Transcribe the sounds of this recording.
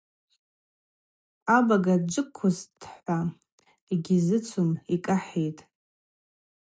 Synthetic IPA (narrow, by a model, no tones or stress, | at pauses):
abaɡad͡ʒʷʼɨkʷʰːʊzdʰħʷa | eɡʲizɨt͡sʷʰumikʼaħejtʼ